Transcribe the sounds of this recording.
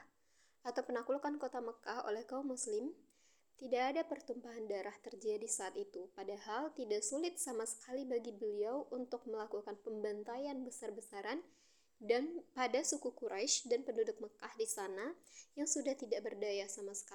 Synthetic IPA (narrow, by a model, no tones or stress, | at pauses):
at̪awpənakulkankot̪aməkaho̰lɛhɡaumːuslɪm | t̪idaʔːdapərt̪umpaɦandaɾaht̪ərd͡ʒadisaːt̪it̪upadahalt̪idaʔsulɪt̪̚samasə̥kalibaɡibəliawʔunt̪ʊk̚məlakukanpəmbant̪ajanbəsarbəsaɾan | danpadasukukuɾʔaʃdanpəndudʊk̚məkahdisanajaŋsudaht̪idaʔbərdajasamasə̥ka